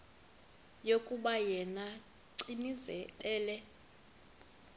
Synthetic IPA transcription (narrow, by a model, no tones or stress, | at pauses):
jokʼuɓajɛna | ǀinizɛɛːlɛ